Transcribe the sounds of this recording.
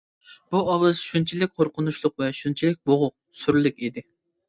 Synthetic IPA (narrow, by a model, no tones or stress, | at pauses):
b̥uɑwˠɨzʃunt͡ʃʰilɪk̚ʲqʰoɾqʊnuʃlˠʊqvɛʃunt͡ʃʰilɪk̚ʲboʁʊq̚syɾlɪkʲid̪ɪ